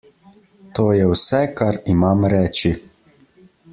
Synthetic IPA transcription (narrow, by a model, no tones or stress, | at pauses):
t̪oːjɛwsɛkaɾimamɾɛːt͡ʃi